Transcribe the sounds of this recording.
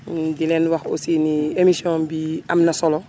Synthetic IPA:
dilɛnwaxo̰siːniemisiɔ̃ːbiʔamnɐsɔlɔ

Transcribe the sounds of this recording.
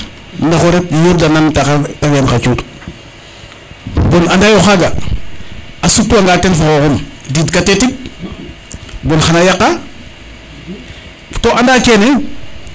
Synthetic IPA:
ndaxoɾep̚jebdanantaaajanxat͡ʃut | bonandajoxaɡa | asutːuaŋɡatenfakokumdidkatetik̚ | bonxanajakːa | toʔandakene

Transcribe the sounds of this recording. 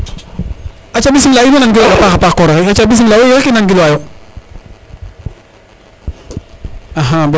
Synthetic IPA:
at͡ʃabis̬imlainnaŋɡiloɡapaxapaxkɔɾɔkeat͡ʃabis̬imlawojekinaŋɡiloajo | aɦab

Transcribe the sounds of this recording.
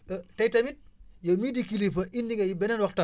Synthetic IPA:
tɐjtɐmit̚jɐmidikilifɐʔindiŋɡɐjibɛnɛnwɐxtɐ

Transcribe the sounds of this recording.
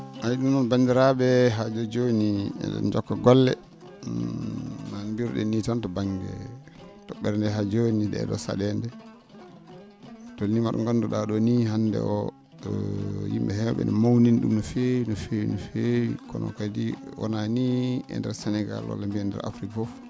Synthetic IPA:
ʔajiɗumɔnbandiɾaɓɛɦad͡ʒod͡ʒoniɛ̰ɗɔ̰nd͡ʒɔkːaɡɔlːɛ | nanbiɾɗɛ̰nitantɔbaŋɡɛ̰ | tɔɓɛɾndɛɦad͡ʒoniɗɛ̰ɗɔ̰sa̰ɗɛndɛ | tolnːimaɗɔ̰ŋɡanːduɗaɗɔniɦandɛ̰ʔɔ | jḭmɓɛhɛwɓɛ̰nɛmawninɗṵmafejnɔfejinɔfejkɔnʔɔ̰kadiwɔ̰naniɛ̰ndɛɾsɛnɛɡa̰lwa̰lːambiɛndɛ̰ɾa̰fɾikafɔf

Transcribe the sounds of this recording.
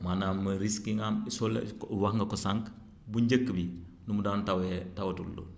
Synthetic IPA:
manamːəɾiskiŋamisolewahŋɡɐkosaŋk | buɲɟəkːəbi | numudaːntawetawtulːo̰

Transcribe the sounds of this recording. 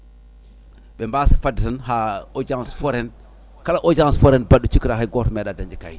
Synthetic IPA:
ɓɛmbaːsifadisanhaod͡ʒansfoɾɛn | kalaʔod͡ʒansfoɾɛnbaɗːut͡ʃukɾaɦajɡotmɛɗadaɲd͡ʒika̰j

